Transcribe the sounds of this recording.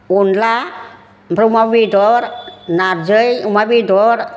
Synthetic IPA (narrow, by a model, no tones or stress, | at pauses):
unla | bɾumabidɔɾnaɾd͡ʒəjumabidɔɾ